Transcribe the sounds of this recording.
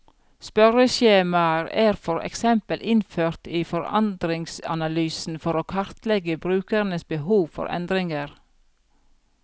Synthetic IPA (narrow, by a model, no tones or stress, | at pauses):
spœɾəʃeːmɑəɾæːɾfɔɾɛ̰ksɛmpəlʔɪnføːɾt̪iːfɔɾɑ̰nd̪ɾɪŋsɑ̰nɑlyːsn̩fɔɾoːkʰɑɾt̪lɛɡəbɾʉːkəɾn̩əsbəhuːʋfɔ̰ɾʔɛ̰nd̪ɾɪŋəɾ